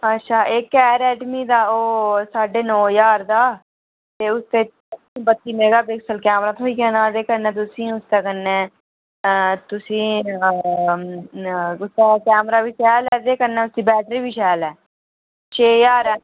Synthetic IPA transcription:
ətːʃʰaːʔeːkːɛːɾɛːʈmiːd̪aːoːsaːɖeːnɔːjaːɾd̪aː | t̪eːʊst̪ẽː | bət̪ːiːmeːɡaːbeksəlkɛːmɾaːt̪ʰoːiːkɛːnaːd̪eːkəɾnɛ̃ːt̪̬ʊsĩːʊst̪eːkənːɛ̃ː | t̪ʊsĩː | ʊst̪aːkɛːmɾaːbiːʃɛːlɛːd̪eːkəɾnɛːʊsd̪iːbɛːʈɾiːbiːʃɛːlɛː | t͡ʃʰeːjaːɾɛː

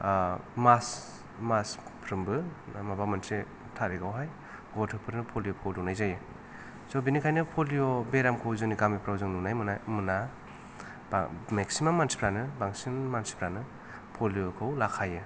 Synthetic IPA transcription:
mas | maspʰɾɯmbɯmabamantʰe | tʰaɾiɡawɦaj | ɡɔtʰɯpʰɯɾnɯpʰolijopʰowdunajzajɯ | sɔbinikʰajnɯpʰolijobeɾamkʰawzuniɡamipɾawzɯŋnunajmɯnamɯna | b̰meksimamːansi̥pʰɾanɯbaŋsinmansi̥pʰɾanɯ | pʰolijokʰawlakʰajɯ

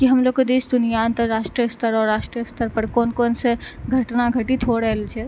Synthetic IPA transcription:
kiɦəmlokkːed̪esd̪ʊnijaənt̪əɾɾaʃʈɾijəst̪ʰəɾɔːɾːasʃʈɾijəst̪ʰəɾpəɾkoːnkoːnseɡʱəʈnaɡʱəʈit̪ʰoɽəɦəlt͡ʃʰɛ

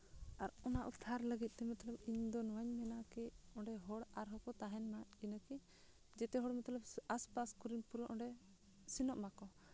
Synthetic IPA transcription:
aɾɔnaʔut̪ʰːaɾləɡit̪̚ˀt̪ɛmat̪ləbiɲd̪ɔnɔwaɲmɛnakɛɔɳɖɛɦɔɽaɾɦɔkɔt̪aɦɛnmainəkɛ | d͡ʒɛt̪ɛɦɔɽmɔt̪lɔbaspaskɔɾinpuɾɔʔɔ̃ɳɖɛ | sinɔʔmakɔ

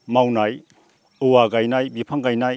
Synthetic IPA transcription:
mawnaj | uwaɡajnajbipʰɐŋɡajnaj

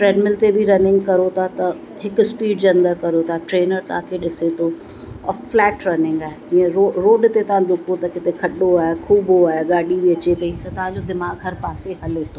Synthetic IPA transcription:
fɾɛːɖmɪlt̪ebʱiɾɐnɪ̃ŋɡkɐɾot̪ʰat̪ɐ | ɦɪkʊspiːɖd͡ʑɐ̃nd̪əkɐɾot̪ʰaʈɾeːnəɾt̪ɐʋ̤ãkʰeɗɪset̪ʰo | ɔːɾflɛːʈɾɐnɪ̃ŋɡaːɦeiːə̃ɾoɾoːɖt̪et̪ɐʋ̤ãɗʊkot̪ɐkɪt̪ekʰɐɗoaːɦekʰuːboaːɦeɡaːɗibiɐt͡ɕekɐit̪ɐt̪ɐʋ̤ãɲd͡ʑod̪ɪmaːɡɦɐɾpaːseɦɐlet̪ʰo

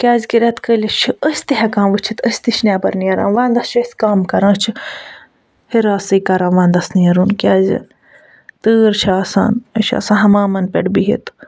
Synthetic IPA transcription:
kʲaːzʲkiɾʲɐt̪kəlʲit͡ʃʰiəsʲt̪iɦɐkãːmʋɨt͡ʃʰit̪əsʲt̪iʃnʲaːbɐɾnijɐɾa̰ːnʋaːnd̪ɐst͡ʃʰɐsʲkaːmkɐɾãːt͡ʃʰi | hiɾaːsɨkɐɾãːnʋãːnd̪ɐsnijɐɾuːnkʲaːzʲḭ | t̪ɨːɾt͡ʃʰaːsa̰ːnəʃʰa̰sãːnɦɐmaːmɐnpʲeɽbiɦḭt̪

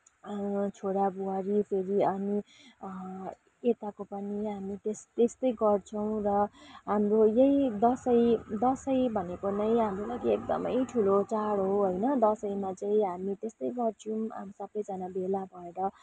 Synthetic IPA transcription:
t͡sʰoɽabuwaɾipʰeɾiʌni | et̪akopʌniɦamit̪est̪est̪ʌjɡʌrt͡sʰʌw̃rʌɦamrojejd̪ʌsʌjd̪ʌsʌjbʱʌnekonʌjɦamrolaɡiek̚d̪ʌ̰mʌjʈʰulot͡saɽɦoɦojnʌd̪ʌsʌjmat͡saĩɦamit̪est̪ʌjɡʌrt͡sʰua̰msʌbʌjd͡zanabelabʱʌeɾʌ

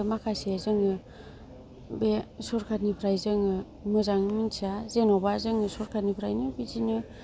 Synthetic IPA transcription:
makʰasezɯŋɯ | besɔɾkʰatnipʰɾajzɯŋɯ | mɯzaŋɯminsʰazenɔbazɯŋɯsɔɾkʰatnipʰɾajnɯbizinɯ

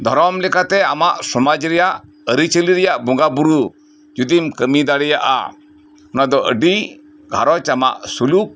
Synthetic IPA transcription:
d̪ʱɔɾɔmlɛkat̪ɛamaʔsɔmad͡ʒɾɛjaʔ | əɾit͡ʃəliɾɛjaʔbɔŋɡabuɾu | d͡ʒud̪imkəmid̪aɽɛjaʔa̰ | ɔnad̪ɔʔə̰ɖi | ɡʱaɾɔt͡ʃama̰ʔsuluk̚

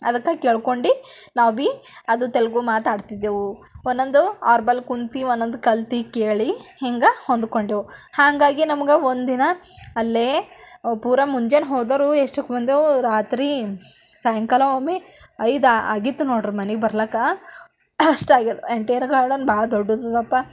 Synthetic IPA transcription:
ɐ̰d̪ɐkːakeːɭkoɳɖinaːʋbiɐd̪ut̪elɡumaːt̪aːɖt̪id̪eʋuonːond̪uaːɾbɐlkunt̪ionːond̪ukɐlt̪ikeːɭieŋɡɐhond̪ko̞ɳɖiʋuhaːŋɡaːɡinɐmɐɡeond̪d̪inɐː | lːe | puːɾɐmuɲd͡ʒenɦoːd̪ɐɾueʂʈɐkːmɐnd̪euɾaːt̪ɾisɐjɐŋkɐlɐoːmeɐjd̪aa̰ːɡit̪ːunoːɽɾmɐneɡbɐɾlɐːkːa | ɐʂʈaːɡileɳʈɐjɐɾɡaːɾɽɐnbaːɭɐd̪ɔɖːud̪ɐd̪ɐpːɐ

